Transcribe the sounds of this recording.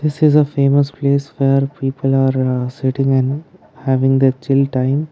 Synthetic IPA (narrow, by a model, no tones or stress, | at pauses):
d̪̥ɪsɪzəfeːməspleːsʋeːɾpiːpʰəlaːɾsɪʈɪ̃ŋɛ̃nɖ | hæːʋɪ̃ŋd̪et͡ʃɪlʈãɪ̃m